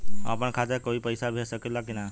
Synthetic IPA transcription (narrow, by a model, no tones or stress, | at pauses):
a̰pəɳkʰat̪ekoipəjsabʱesəkelakina